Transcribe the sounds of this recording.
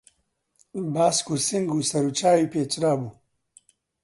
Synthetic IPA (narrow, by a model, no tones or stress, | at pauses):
baːskusiŋɡusɐɾut͡ʃaːipeːt͡ʃɾaːbu